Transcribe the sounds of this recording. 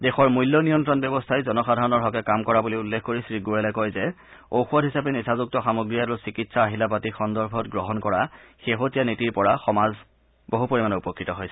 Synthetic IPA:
dexɔɹmujlːɔnijɔntɹɔnbjɔbɔstʰajzɔnɔxadʱaɹɔnɔɹɦɔkɛkamkɔɹabuliulːekʰkoɹisɹiɡuɛlɛkɔjzɛ | oxuɔdɦisapɛnisʰazuk̚tɔxamoɡɹijaɹusikitsaːɦilap̬atixɔndɔɹbʱɔtɡɹɔɦɔnkɔɹaxeɦotijanetiɹpɔɹaxɔmaz | boɦupoɹimanɔupɔkːɹitɔɦojsɛ

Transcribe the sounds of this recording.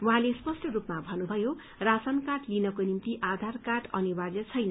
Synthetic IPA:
wuɦãlespʌsʈʌrupmabʱʌnubʱʌjo | rasʌnkaʈlinʌkonimt̪iʔad̪ʱarkaʈʌnibarjʌt͡sʰʌjnʌ

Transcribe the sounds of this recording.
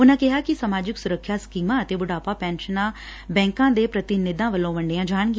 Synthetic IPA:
ʊnãːkɪɦaːkɪsamaːd͡ʒɪksʊɾəkʰːjaːskiːmãːət̪eːbʊɽaːpaːpɛ̃ːnʃənãː | bɛ̃ːŋkãːd̪eːpɾət̪ɪnɪd̪ãːʋəlːõːʋəɳɖeãːd͡ʒaːɳɡi

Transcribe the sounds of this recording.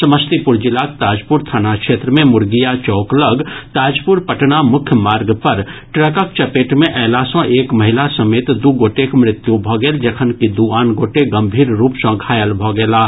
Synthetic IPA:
səməst̪ipʊɾd͡ʒɪlaːk̚t̪aːd͡ʒpʊɾt̪ʰaːnakʃeːt̪ɾəmẽmʊɾɡijat͡ʃɔːkləɡt̪aːd͡ʒpʊɾpəʈnamʊkʰjəmaːɾɡpɐɾʈɾəkək̚t͡ʃɐpeːʈmẽʔɛːlasɔ̃ʔeːkməɦɪlasəmeːt̪d̪uːɡoːʈekmɾɪt̪jubʱɔɡeːld͡ʒɐkʰənkid̪uaːnɡoːʈeɡɐ̃mbʱiːɾɾuːpsə̃ɡʱaːjəlbʱɔɡeːlaː

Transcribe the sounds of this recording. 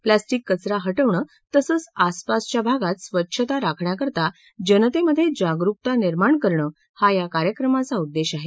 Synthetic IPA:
plasʈikːət͡sɾaɦəʈəʋɳəː | t̪əsəːt͡saspast͡ɕjabʱaɡat̪sʋətːɕʰət̪aɾakʰɳjakəɾt̪a | d͡ʑənət̪eməd̪ʱːjed͡ʑaɡɾuk̚t̪aniɾmaɳkəɾɳə | hajakaɾjəkɾəmat͡saud̪ːeɕaɦe

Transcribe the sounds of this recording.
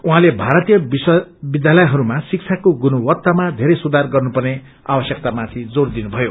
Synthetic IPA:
uɦãlebʱaɾʌt̪ijʌbiswbid̪jalʌjɦʌɾumasik̚t͡sʰakoɡunuwʌt̪ːamad̪ʱeɾʌjsud̪arɡʌrnupʌrne | abʌsjʌk̚t̪amat̪ʰid͡zord̪inubʱʌjo

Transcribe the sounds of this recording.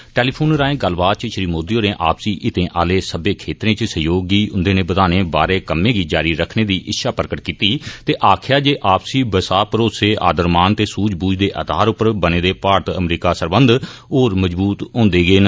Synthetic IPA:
ʈɛːliːpʰoːnɾaːẽːɡəlbaːt̪̚t͡ʃəʃɪɾiːmoːd̪ijoːɾẽːʔa̰ːpsiːʔɪt̪ẽːʔa̰ːleːsəbẽːkʰeːt̪ɾẽːt͡ʃsəjoːɡiːʊnd̪eːnẽːbəd̪aːneːbaːɾeːkəmːẽːɡiːd͡ʒaːɾiːɾəkʰneːd̪iːʔɪtːʃʰaːpəɾəkəʈkiːt̪iːt̪eːʔaːkʰjaːd͡ʒeːʔaːpsiːbəsaːpəɾoːseːʔa̰ːd̪əɾmaːnt̪eːsuːd͡ʒbuːd͡ʒd̪eːʔə̰d̪ʱaːɾʊpəɾbənẽːd̪eːpaːɾət̪ə̰mɾiːkaːsəɾbə̃nd̪oːɾməd͡ʒbuːt̪õːnd̪eːɡeːn

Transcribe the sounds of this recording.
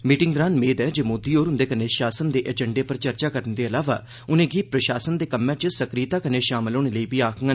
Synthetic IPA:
miːʈɪŋd̪ɾaːnmeːd̪ɛːd͡ʒeːmoːd̪iːoːɾɦʊnd̪eːkəneːʃaːsənd̪eːʔɛːd͡ʒəɳɖeːpəɾt͡ʃəɾt͡ʃaːkəɾənd̪eːəlaːʋa̰ː | ʊnẽːɡiːpɾəʃaːsənd̪eːkəmːɛ̃ːt͡ʃəsəkɾiːt̪aːkəneːʃaːmɪloːɽeːləiːbiːaːkʰŋə

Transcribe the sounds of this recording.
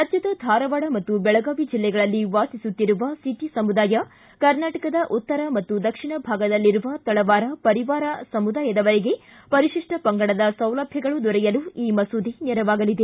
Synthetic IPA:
ɐt̪jɐt̪ɐd̪ʱaːɾɐʋaːɽɐmɐt̪ːubɛɭɐɡaːʋid͡ʒilːɛɡɐɭɐlːiʋaːt̪isut̪ːiɾuʋɐsiʈisɐmud̪aːjɐ | kɐɾnaːʈɐkɐd̪ɐʔut̪ːɐɾɐmɐt̪ːud̪ɐkʂiɳɐbʱaːɡɐd̪ɐlːiɾuʋɐt̪ɐɭɐʋaːɾɐpɐɾiʋaːɾɐsɐmud̪aːjɐd̪ɐʋɐɾeɡe̞ | pɐɾiʂiʂʈɐpɐŋɡɐɽɐd̪ɐsɐwlɐbʱjɐɡɐɭud̪ɔɾɛjɐluiːmɐsuːd̪inɛɾɐʋaːɡɐlid̪e̞

